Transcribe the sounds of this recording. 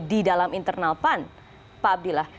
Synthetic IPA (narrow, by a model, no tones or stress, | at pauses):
didalamint̪ərnalpan | paab̚dilah